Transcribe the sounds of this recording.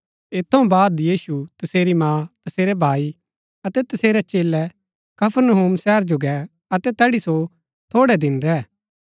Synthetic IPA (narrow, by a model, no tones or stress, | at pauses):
ɪt̪ʰːɐũbaːd̪jiːsut̪ɐseːɾimãːt̪ɐseːɾɛbʱaːi | ɐt̪ɛt̪ɐseːɾɛt͡ʃeːlɛ | kɐpʰəɾnəɦuːmsɛːɾd͡ʒoɡɛ | ɐt̪ɛt̪ɛːɽiso | t̪ʰoːɽɛd̪ɪnɾɛː